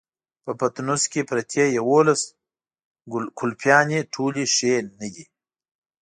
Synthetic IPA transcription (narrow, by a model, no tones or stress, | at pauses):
pəpat̪nuskʲepɾat̪ʰejawolas | kʰʊlpjɑːneʈʰuːliʃenəɡi